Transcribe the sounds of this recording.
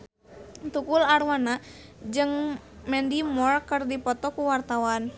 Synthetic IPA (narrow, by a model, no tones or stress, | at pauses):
t̪ukularwana | d͡ʒɨŋ | mɛndimɔrkərdipɔt̪ɔkuwart̪awan